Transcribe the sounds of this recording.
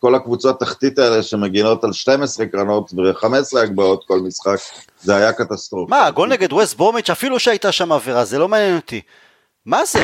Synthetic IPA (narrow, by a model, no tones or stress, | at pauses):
ko̞lakvut͡sot̪ːaχt̪itaeleʃemeɡino̞talʃte̞mesʁekʁano̞tveχame̞sleaɡ̚bao̞t̪ko̞lmisχak | zeajakat̪ast̪ʁofmaɡo̞lneɡed̪west̚bomit͡ʃafiluʃeajt̪aʃamaveʁazelo̞maːnjenot̪i | maze